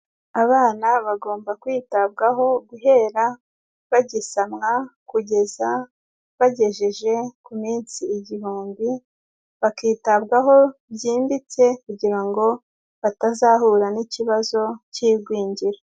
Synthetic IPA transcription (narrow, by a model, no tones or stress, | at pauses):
aβaːnaβaɡo̞ːmbakwiːtab̚ɡaɦo̞ɡuɦe̞ːɾa | βaɟisamŋakuɟe̞za | βaɟe̞ʒeʒe̞kumiːnt͡siːɟihuːmbi | βakiːtabɡaɦo̞bjiːmbit͡se̞kuɟiɾaŋɡo̞ | βatazahuɾaniciβazo̞ciːbɡwiːɲɟiɾo